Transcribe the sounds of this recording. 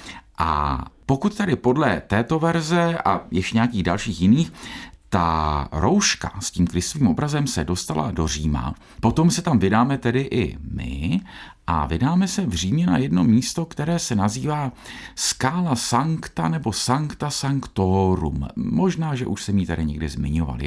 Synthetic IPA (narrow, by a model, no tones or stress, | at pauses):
ʔa̰po̞kut̪̚t̪ːɛdɪpo̞dlɛt̪ɛːt̪o̞vɛɾzɛʔajɛʃcɛɲɛakiːɣdalʃiːxjɪniːxt̪a̰ɾʔo̞wʃka̰sciːmkɾɪst̪oviːmo̞bɾazɛmsɛ̰do̞st̪ala̰do̞r̝iːma̰ | po̞t̪o̞msɛt̪amvɪdaːmɛt̪ɛdɪʔɪ̰mɪ̰ | ʔa̰vɪdaːmɛsɛvr̝iːmɲɛna̰jɛdno̞miːst̪o̞kt̪ɛɾɛːsɛnaziːvaːskaːlasaŋkt̪anɛbo̞saŋkt̪asaŋkt̪oɾṵmːo̞ʒnaːʒɛ̰ʔuʃsɛmiːt̪adɪɲɛɡdɪzmɪɲo̞va̰lɪ̰